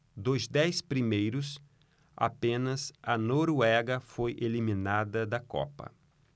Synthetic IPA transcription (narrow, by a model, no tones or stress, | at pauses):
d̪ozd̪ɛjspɾimejɾʊs | a̰pẽnɐzɐnoɾuɛɡɐfojʔelimĩnad̪ɐd̪ɐkɔ̰pɐ̰